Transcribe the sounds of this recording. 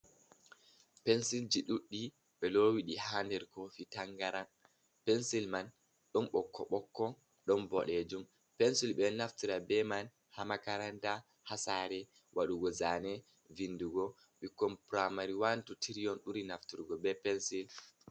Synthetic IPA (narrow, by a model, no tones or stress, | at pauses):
pɛnsild͡ʒiɗuɗːi | ɓɛlɔwiɗihaːndɛɾkofitaŋɡaɾan | pɛnsilman | ɗɔnɓɔkːɔ̰ɓɔkːɔ | ɗɔnbɔɗɛd͡ʒum | pɛnsilɓɛnaftiɾabɛman | hamakaɾanta | hasaːɾɛ | wʔaɗuɡɔzanɛ | vinduɡɔ | ɓikːɔmpɾamaɾiwantutʰiɾijɔnɗuɾinaftiɾɡɔbɛpɛnsil